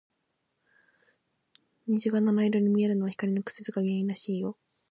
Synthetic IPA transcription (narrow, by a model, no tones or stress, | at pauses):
ɲ̟iʑiɡananaiɾo̞ɲ̟imʲieɾɯ̟no̞βaçi̥kaɾʲinokɯ̟̥sezɨɡamʲieĩɾaɕiːjo̞